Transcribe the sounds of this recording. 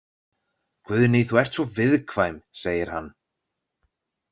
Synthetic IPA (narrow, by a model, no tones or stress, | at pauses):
kʰvʏðnijθuɛr̥t̪svɔvɪðkʰvaːjmseːjɪɾ̥hanː